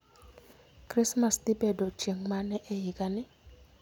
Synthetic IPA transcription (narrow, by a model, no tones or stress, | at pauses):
krismasdibɛdɔd͡ʒeŋmanɛʔɛjikʼanɪ